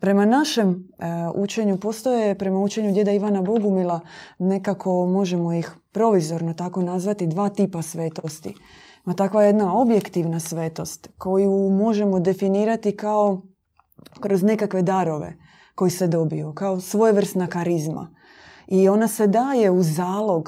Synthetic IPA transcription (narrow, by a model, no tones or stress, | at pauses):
pɾe̞manaʃe̞mut͡ʃe̞ɲupo̞st̪o̞jepɾe̞maut͡ʃe̞ɲuɡd̪je̞d̪aiʋanabo̞ɡumilˠane̞kakʰo̞mo̞ʒe̞mo̞jixpɾo̞ʋizo̞ɾnot̪ako̞nazʋat̪id̪ʋaːt̪iːpasʋe̞ːt̪ost̪ḭ | mat̪akʋajje̞d̪nao̞bje̞kt̪iʋnasʋe̞ːt̪o̞st̪ko̞jumo̞ʒe̞mo̞d̪e̞finiːɾat̪ikao | kɾo̞zne̞kakʋe̞d̪aɾo̞ʋḛ | ko̞jised̪o̞bijukaosʋo̞jeʋr̩st̪nakaɾizma̰ | io̞nase̞d̪aːje̞uzaːlˠo̞ɡ